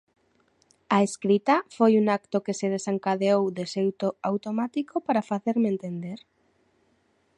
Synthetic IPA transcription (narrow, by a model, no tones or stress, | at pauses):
aeskɾit̪ɐfojuŋak̚t̪okeseð̞esaŋkaðeowðesewt̪oawt̪omat̪ikopaɾafaθeɾmẽnt̪end̪eɾ